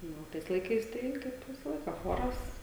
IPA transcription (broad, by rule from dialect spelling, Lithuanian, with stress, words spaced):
ˈnʊ oː ˈtɐɪs lˠɐɪˈkɐɪs ˈtɐɪ kɐɪp ˈʋʲɪsɐ ˈlˠɐɪkɐ ˈxoːrɐs